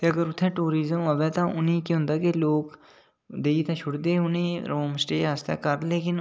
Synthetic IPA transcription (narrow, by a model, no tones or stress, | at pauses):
t̪eːəɡəɾʊt̪ʰːɛ̃ːʈuːɾiːzəmoʋɛːt̪ãːʊnĩːkiɦʊ̃nd̪aːkeloːk | d̪eːiːt̪ãːʃʰʊɽd̪eːʊnĩːɾoːmsʈeːɦast̪ḛːkəɾleːkɪn